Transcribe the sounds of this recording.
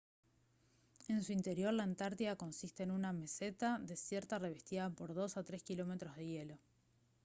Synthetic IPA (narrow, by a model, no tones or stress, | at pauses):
e̞nsuint̪eɾjo̞ɾlaent̪aɾt̪iðako̞nsist̪e̞ːnuname̞set̪aðe̞sjeɾt̪are̞β̞e̞st̪iðapo̞ɾðo̞sat̪ɾeskilo̞me̞t̪ɾozð̞e̞je̞lo̞